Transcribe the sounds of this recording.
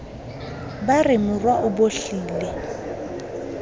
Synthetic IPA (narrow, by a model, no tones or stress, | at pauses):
barɪmʊrwaʔʊboɬiːle